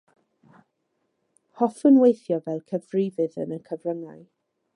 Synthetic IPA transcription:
hɔfənwejθjɔvɛlˠkʰəvrɪːvɨðə̰nəkʰəvrəŋaɨ

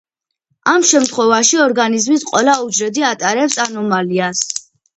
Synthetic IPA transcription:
amʃɛmt̪ʰχwɛvaʃiɔɾɡanizmisqʼwɛlaud͡ʒɾɛd̪iat̪ʼaɾɛpsanɔmalias

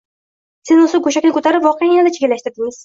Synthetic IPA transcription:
sɪzʊsɪɡoʃakʲnɪkʰɵt̪ʰaɾɪpvɒqʰijajenad̪at͡ʃʰeɡʲɪlːaʃt̪ɪɾd̪ɪŋɪz̥

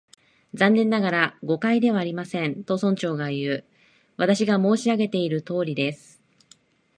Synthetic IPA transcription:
zãnːẽ̞nːaɡaɾaɡo̞kaid̪e̞βaːɾʲimasẽ̞nt̪o̞sõɲ̟t͡ɕo̞ːɡajɯ̟ː | βat̪aɕiɡamo̞ːɕiaɡe̞t̪e̞iɾɯ̟t̪o̞ːɾʲid̪e̞sɨ̥

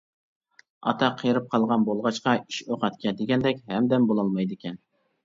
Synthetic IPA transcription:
ɑ̰t̪ʰɑqʰəjɾɨp̚qʰɑlˠʁɑnbolˠʁɑt͡ʃqɑiʃoqɑt̪kʲʰɛd̪eɡʲɛnd̪ɛkʲhɛmd̪ɛmbolˠɑlˠmɑjd̪ɪkʲʰɛn

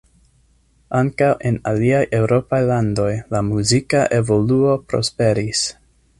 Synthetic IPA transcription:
aŋkawʔe̞naliajʔe̞wɾo̞pajlando̞jlamuzikaʔe̞vo̞luo̞pɾo̞̰spe̞ɾis

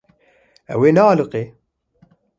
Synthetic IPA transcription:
ɛ̰weːnɛɑːlɨqeː

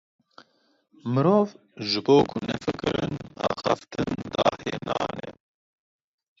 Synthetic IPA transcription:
mɨɾoːv | ʒɨboːkʰʊnɛfɨkɨɾɨnnɑːxaft̪ʰɨnd̪ɑːheːnɑːnɛ

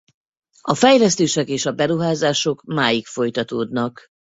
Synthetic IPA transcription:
ɒfɛjlɛst̪eːʃɛkeːʃɒbɛɾuɦaːzaːʃo̞kmaːjikfo̞jt̪ɒt̪oːd̪nɒk

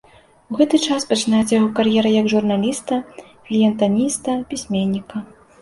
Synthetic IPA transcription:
uɣɛt̪ɨt͡ʂaspɐt͡ʂɨnajɛt͡sʲjaɣɔkarjɛɾɐjɐɡʐurnalʲist̪ɐ | klʲijɛnt̪anʲist̪ɐpʲisʲmʲenʲːikɐ

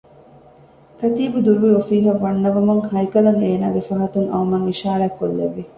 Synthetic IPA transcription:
kɐt̪iːbud̪uɾuʋiofiːɦɐʋːɐnːɐʋɐmɐŋhɐjkɐlɐŋeːnaːɡefɐɦɐt̪uŋɐ̰umɐŋiʃaːɾɐːkːolːeʋːi

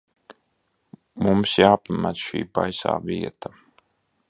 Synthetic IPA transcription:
mumsjaːpamæt̪sʃḭːba̰jsa̰ːviɛt̪a

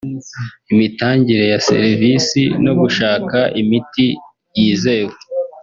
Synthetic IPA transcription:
imitaːɲɟiɾe̞jase̞̰ɾivisḭno̞ɡuʃaːkaʔimiti | jiːze̞we

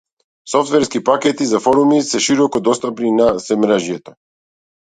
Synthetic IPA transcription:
sɔft̪vɛɾskipakɛt̪izafɔɾumisɛʃiɾɔkɔd̪ɔst̪apninasɛmɾɛʒjɛt̪ɔ

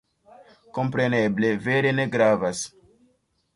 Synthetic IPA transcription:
ko̞mp̬ɾe̞neble̞veɾe̞ne̞ɡɾavas

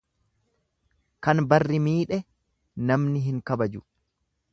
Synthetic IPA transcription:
kɐnbɐrːɪmiːᶑɛ | nɐmnɪɦɪŋkɐbɐd͡ʒʊ

